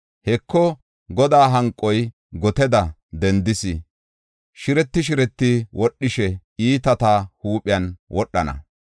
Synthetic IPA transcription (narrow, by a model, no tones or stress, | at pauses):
hɛkːɔ | ɡɔd̪aːɦɐŋkʼːɔj | ɡɔt̪ɛd̪ɐ | d̪ɛnd̪ɪsɪ | ʃɪɾɛt̪ːɪʃ̬ɪɾɛt̪ːɪwʔɔɗːɪʃɛiːt̪ɐt̪ahuːpʼɪjɐnwʔɔɗːɐnɐ̰